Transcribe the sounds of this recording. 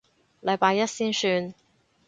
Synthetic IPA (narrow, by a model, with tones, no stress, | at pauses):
lɐ˨˧jpaː˧jɐ˥t̚siː˥nsyː˧n